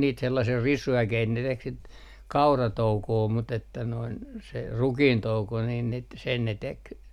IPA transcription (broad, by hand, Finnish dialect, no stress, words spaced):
niːt selːɑsiː risuækeit ne tek sit kɑurɑtoukoː mut etːæ noin se rukiːntouko niːn nit sen ne tek